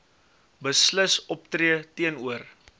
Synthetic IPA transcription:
bəsləsɔptriətiənuər

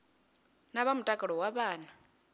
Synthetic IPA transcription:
naβamutʼakʼɛɺɔwaβaːna

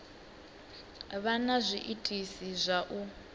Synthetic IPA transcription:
βanazʷiʔitʼisizʷaʔu

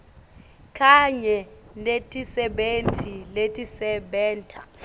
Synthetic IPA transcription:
kʰʼaɲɛnetʼisɛɓentʰʼiletʼisɛɓɛːntʰʼa

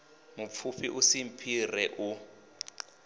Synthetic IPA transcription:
mup̪fʰufiʔusim̩pʰirɛʔu

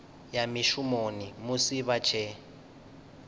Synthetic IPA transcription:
jamiʃumonimusiβat͡ʃʰɛ

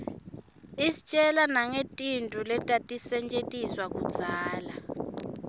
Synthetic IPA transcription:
isi̥t͡ʃʼɛlanaŋetʼintʼulɛtʼatʼisɛnt͡ʃʼetʼiswak̬ʼud̥z̥ʱaːla

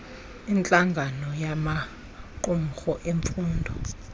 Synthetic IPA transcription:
int͡ɬʼaŋɡʱanɔjama | ǃuŋxɔʔeɱfuːndʱɔ

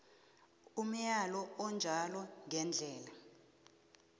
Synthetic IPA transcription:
um̩jalɔɔnd͡ʒʱalɔŋʱɛnd͡ɮʱɛːla

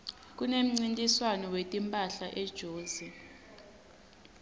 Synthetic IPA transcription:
k̬unem̩ŋ͡ǀintʼiswanɔwetʼimpʼaɬaʔɛd̥ʒ̥ʱoːzi

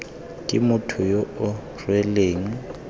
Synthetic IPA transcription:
kʼɪmʊtʰʊjoʊ | rwɛleːŋ̩

